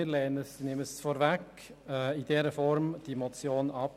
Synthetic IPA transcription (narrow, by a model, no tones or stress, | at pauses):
ɪɾlɛːnəsinɪməsfɔɾvæk | ɛidɛːɾəfɔɾmd̥imɔt͡sjoːnɑp